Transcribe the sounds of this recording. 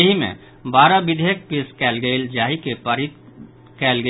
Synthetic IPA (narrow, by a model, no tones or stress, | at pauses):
əɦimḛ̃ | baːɾabɪd̪ʱeːk̚piskɛːlɡeld͡ʒaːɦikepəɾit̪ | kɛːlɡə